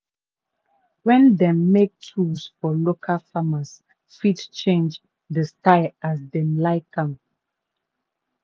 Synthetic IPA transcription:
wɛ̃ndɛ̃mːek̚tʰusfɔlokʰalfamas | fidt͡ʃẽnd͡ʒ | dəstaɪasdɛ̃mlaɪkãm

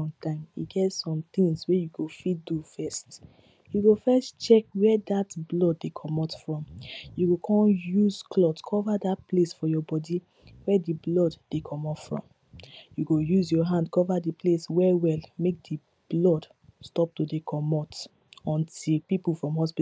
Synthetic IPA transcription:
ɔ̃mtʰãɪ̃mḭɡɛtsɔ̃mt̪ĩŋswɛjuɡofitdufɛst | juɡofɛstt͡ʃɛk̚wɛdatblɔdːekʰɔmɔtfɹɔ̃mjuɡokʰɔ̃njuzkʰlɔtkʰɔvadat̚plesfɔjɔbɔdi | wɛdiblɔdːekʰɔ̃mɔpfɹɔ̰̃m | juɡojuzjɔɦãndkɔvadipleswɛwɛlmek̚di | b̥lɔd | stɔp̚tudekʰɔmɔt | ɔ̃ntilpipul̩fɹɔ̃mhɔspi

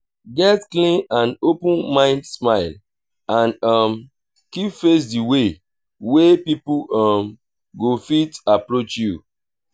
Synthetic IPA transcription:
ɡɛtklĩnãnopə̃nmãɪ̃ndsmaɪl | ãnʌm | kipfes̬diwe | wepipuʌm | ɡofitapɹot͡ʃju

